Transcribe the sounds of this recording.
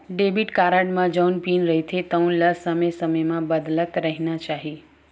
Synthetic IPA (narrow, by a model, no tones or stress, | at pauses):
ɖebiʈkaɾaɖmãd͡ʒəwnpinɾəɦit̪ʰet̪əũləsəməjsəməjmãbəd̪lək̪ɾəɦinat͡ʃaɦi